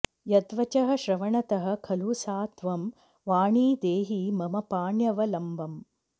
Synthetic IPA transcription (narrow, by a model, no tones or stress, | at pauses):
jɐd̪ʋɐt͡ʃɐɦɐ̆ʃɾɐʋɐɳɐt̪ɐɦɐ̆kʰɐluːsaːt̪ʰʋɐm | ʋaːɳiːd̪eːɦimɐmɐpaːɳjɐʋɐlɐmbɐm